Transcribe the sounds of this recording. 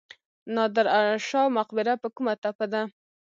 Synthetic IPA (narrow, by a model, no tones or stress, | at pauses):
nɑd̪ɪɾaʃɑmaqbɪɾapəkumat̪apad̪a